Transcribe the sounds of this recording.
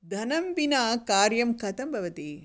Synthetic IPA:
d̪ʱɐnɐmbinaːkaːɾjɐmkɐt̪ɐmbʱɐʋɐt̪i

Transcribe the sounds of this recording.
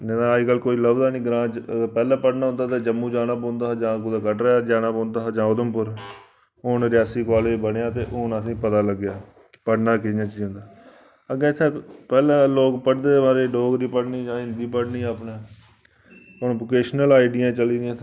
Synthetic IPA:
d͡ʒɛ̃ːd̪ãːd͡ʒkəlkoːiːləbd̪aːnĩːɡɾãːəpɛːlãːpəɽnaːɦʊ̃nd̪aːt̪eːd͡ʒəmːũːd͡ʒaːnaːpõːnd̪aːd͡ʒãːkʊd̪aːkəʈɾɛːad͡ʒaːnaːpõːnd̪aːd͡ʒãːʊd̪əmpʊɾ | ʊːnɾɪaːsiːkɔːleːd͡ʒbəɽeaːt̪eːʔʊːnəs̬ĩːpət̪aːləɡjaː | kɪpəɽnaːkɪãːt͡ʃiːd͡ʒɦʊ̃nd̪aː | əɡɛ̃ɪt̪ʰːẽːpɛːlɛ̃ːloːkpəʈd̪eːmaːɾeːɖoːɡɾiːpəɽniːd͡ʒãːɦɪ̃nd̪iːpəɽniːaːpnẽː | ponːʋokeːʃnəlaːɪɖɪjãːt͡ʃəliːd̪ijãːt̪ʰ

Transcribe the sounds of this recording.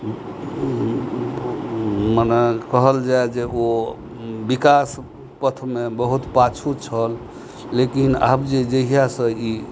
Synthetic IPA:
mənɛkəɦəld͡ʒaed͡ʒeo | bikas | pət̪ʰmebəɦut̪pat͡ʃʰut͡ʃʰəlː | ekina̰bd͡ʒed͡ʒəɦijasə̃i

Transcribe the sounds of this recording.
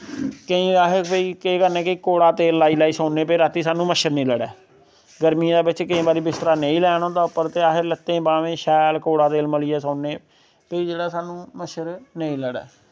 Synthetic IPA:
kəĩːaːɦpəiːkeːkəɾnɛːkɪkoːɽaːt̪eːlːaːiːlaːiːsaːneːpɪɾat̪iːsaːnũːməʃəɾnə̃ːləɽɛ̰ː | ɡəɾmĩːd̪aːbɪt͡ʃkəĩːbaːɾiːbɪst̪ɾaːnəĩːlɛːɽ̃õːd̪aːpəɾt̪eːaːɦɪɾlət̪ːẽːbaːʋẽːʃɛːlkoːɽaːt̪eːlməliːɛːsãːneː | pəiːd͡ʒeːɽaːsaːnũːməʃəɾnəĩːləɽɛ̰ː

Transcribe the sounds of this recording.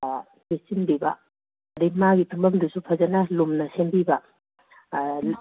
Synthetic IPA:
kesinbibɐ̰ | ɾimaɡitʰumbɐmdusupʰɐzɐnɐlumnɐsenbibɐ

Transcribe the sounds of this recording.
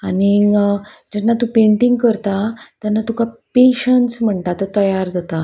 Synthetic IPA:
ani | d͡ʑɛnːat̪ũːpeɳʈiŋɡkəɾt̪at̪janːat̪ukapeɕəɳsm̤əɳt̪at̪ət̪əjaɾd͡zat̪a

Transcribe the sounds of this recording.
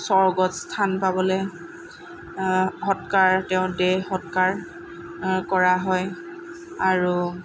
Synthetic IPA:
sɔɹɡɔtstʰanpabɔlɛ | xɔtkaɹtɛʊ̃dɛxɔtkaɹ | kɔɹaɦɔj | aɹu

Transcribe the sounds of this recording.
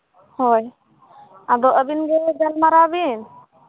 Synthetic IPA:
hɔj | ad̪ɔʔəbinɡɛd͡ʒalmaɾabin

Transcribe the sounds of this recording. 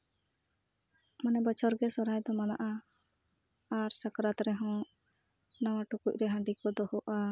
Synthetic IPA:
manɛbɔt͡ʃʰɔɾɡɛsɔɾajd̪ɔmanaʔa | aɾsakɾat̪ɾɛɦɔ̃ | nawaʈukuc̚ˀɾɛɦãɳɖikɔd̪ɔhɔʔa

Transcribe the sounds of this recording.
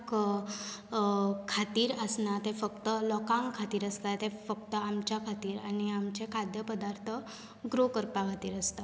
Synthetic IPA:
k | kʰat̪iːɾəsnat̪efəkt̪əlɔkãŋɡkʰat̪iːɾəst̪at̪efək̚t̪əamt͡ɕjakʰat̪iːɾañiamt͡ɕekʰad̪jəpəd̪aɾt̪ʰə | ɡɾokəɾpakʰat̪iːɾəst̪a

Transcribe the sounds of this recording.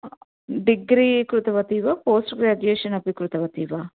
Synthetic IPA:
ɖiɡɾiːkɾut̪ɐʋɐt̪iːʋaːpoːsʈɡɾaːd͡ʒueːʃɐnɐpikɾut̪ɐʋɐt̪iːʋaː

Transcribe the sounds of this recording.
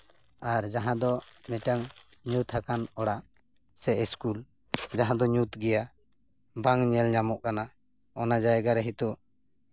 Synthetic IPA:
aɾd͡ʒaɦãd̪ɔmɛʈaŋɲut̪ʰhakanɔɽaʔ | sɛʔɛskul | d͡ʒaɦãd̪ɔɲut̪ɡɛja | baŋɲɛlɲamɔʔkana | ɔnad͡ʒajɛɡaɾɛɦit̪u

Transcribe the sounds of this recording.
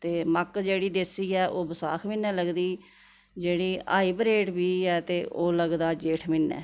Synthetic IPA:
t̪eːməkd͡ʒeːɽiːd̪esiːɛːʔoːbəsa̰ːkʰmɪnːɛːləɡd̪iː | d͡ʒeːɽiːa̰ːiːbɾeːʈbiːɛːt̪eːʔoːləɡd̪aːd͡ʒeːʈʰmɪnːɛ̰ː

